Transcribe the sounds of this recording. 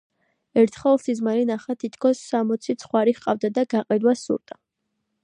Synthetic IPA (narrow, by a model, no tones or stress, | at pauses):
ɛɾt̪ʰχɛlˠsizmaɾinaχat̪ʰit̪ʰkʰɔsːamɔt̪sʰit̪sʰχwaɾiχqʼavd̪ad̪aɡaqʼɛd̪wasṵɾt̪ʼa